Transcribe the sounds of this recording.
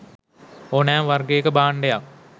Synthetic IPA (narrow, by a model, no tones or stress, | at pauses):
onaːmʋɐrɡejekːəbaːɳɖeja